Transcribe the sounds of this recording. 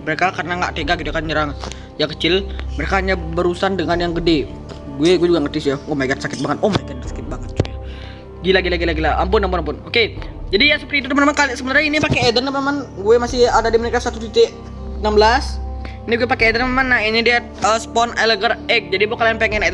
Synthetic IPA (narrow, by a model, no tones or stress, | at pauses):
məɾekakarənaŋɡaʔt̪eɡaʔɡit̪uakanɲəɾaŋ | jakət͡ʃɪlməɾekahaɲabəɾusandəŋanjaŋɡəde | ɡuɛɡuwɛd͡ʒuɡaŋərt̪ɪsjaomeɡansakɪt̪̚baŋət̪omaɡansḁkɪt̪̚baŋət̪̚t͡ʃua | ɡilaɡilaɡilaɡilaʔampʊnampʊnampʊnoked͡ʒadijasəpərt̪it̪ut̪əmanəmankalisəbənt̪aɾɲainipakeːdənəmanəmanɡuɛmasɪhadadiməniɾkasat̪ut̪ut̪e | namblas | iniɡuɛpakeːdənmamanːainidiat̪əspɔneləɡərɛk̚d͡ʒadibokalajaŋpeŋɛned